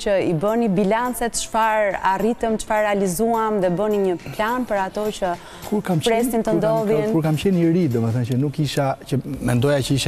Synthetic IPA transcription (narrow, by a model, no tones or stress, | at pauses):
t͡ɕəibənibilant͡sɛt̪ʃfaɾarit̪əmt͡ʃfaɾːɛalizuamðɛbəniɲəplanpəɾat̪ɔt͡ʃə | kʰuɾkampɾɛst̪int̪ənd̪ɔðinkuɾkamt͡ʃɛnəɾid̪ɔmɛθənt͡ʃənukiʃat͡ʃəmɛnd̪ɔjat͡ʃəiʃ